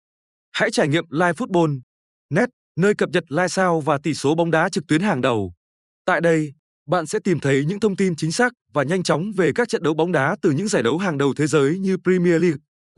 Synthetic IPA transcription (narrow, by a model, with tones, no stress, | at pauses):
ha̰ː˧˥jt͡ɕaː˧˩jŋḭ˧˨əmlaː˧jfu˦˥t̚ɓo˧n | nɛ˦˥t̚ | nəː˧jkə˨˩p̚ɲə˨˩t̚laː˧jsaː˧wvaː˨˩t̪i˧˩so˨˦ɓɔ˨˦wŋ͡mɗaː˨˦t͡ɕɨ˨˩k̚t̪wi˨˦ənɦaː˨˩ŋɗə˨˩w | t̪a̰ː˧˨jɗə˧j | ɓa̰ː˧˨nsɛ̰˧˥t̪i˨˩mt̪ʰə˨˦jɲɨ̰˧˥ŋt̪ʰə˧wŋ͡mt̪i˧nt͡ɕï˨˦ŋ̟saː˦˥k̚vaː˨˩ɲa˧jŋt͡ɕɔ˨˦wŋ͡mve˨˩kaː˦˥k̚t͡ɕə̰˧˨nɗə˨˦wɓa˨˦wŋ͡mɗaː˨˦t̪ɨ˨˩ɲɨ̰˧˥ŋzaː˧˩jɗə˨˦wɦaː˨˩ŋɗə˨˩wt̪ʰe˨˦zəː˨˦jɲɨ˧pɾi˧mi˧əli˦˥k̚